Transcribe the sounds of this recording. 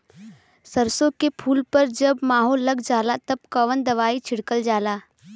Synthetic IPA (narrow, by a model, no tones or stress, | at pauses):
sɐɾsõkepʰuːlpɐɾd͡ʒɐbmaːɦoːlːɐɡd͡ʒaːlat̪ɐb̚kɐʋənd̪ɐʋaːit͡ʃʰɪɽkəld͡ʒaːlaː